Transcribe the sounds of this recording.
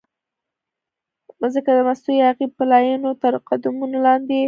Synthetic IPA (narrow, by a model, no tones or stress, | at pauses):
zəkad̪əmast̪ujaɣib̚pəlɑjanot̪aɾqad̪ʊmunolɑnd̪e